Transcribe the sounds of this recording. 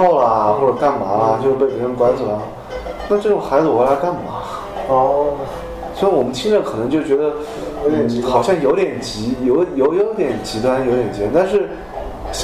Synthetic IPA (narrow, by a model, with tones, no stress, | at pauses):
ɑ˥˩ʊlə˨xwɔ˥˩ʈ͡ʂə˨˩ka˥˩nma̰˧˥lə˧t͡ɕjo˥˧ʊʂpe˥˩ɪpʰə˥ə˥˩kwa˥nt͡sə˨˩lə˧˩ | na˥˧ʈ͡ʂɤ˥˩ʈ͡ʂʊ˨˩ŋxa˧˥ɪzɹ̩˧we˧˥ɪla˧˥ɪka˥˩nma˧˩˦ | swɔ˧˥wɔ˨˩mə˦nt̪ʰi˥ŋʈ͡ʂə˥˩kʰɤ˨˩ɤ˧˥ŋt͡ɕjo˥˩ʊt͡ɕɥɛ˧˥d̪ə˧˨ | xɑ˨˩ʊɕjɑ˥˩ŋjo˧˥t̪jɛ˨˩nt͡ɕi˧˥jo˧˥ʊjo˧˥ʊjo˧˥t̪jɛ˨˩nt͡ɕi˧˥t̪wa˥njo˧˥ʊjɛ˨˩nt͡ɕnt̪a˥˧nʂ̬ɻ̩˥˩ | ɕ